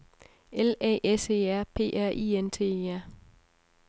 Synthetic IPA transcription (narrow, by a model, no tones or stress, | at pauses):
elɛ̰ːʔese̝̰ːæɐ̰pʰe̝̰ːʔæɐ̰ʔḭːent͡sʰe̝̰æɐ̰